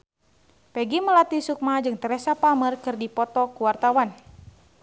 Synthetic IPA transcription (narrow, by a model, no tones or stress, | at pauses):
pɛɡiməlat̪isuk̚mad͡ʒɨŋt̪əɾɛsapamərkɨrdipɔt̪ɔkuwart̪awan